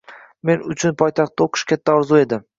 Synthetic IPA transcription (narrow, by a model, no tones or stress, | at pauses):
me̞nʊt͡ʃʰʊnpʰɒjt̪ʰɑχt̪ːaoqʰɨ̥ʃkʲʰat̪ʰːaɒɾzue̞d̪ɪ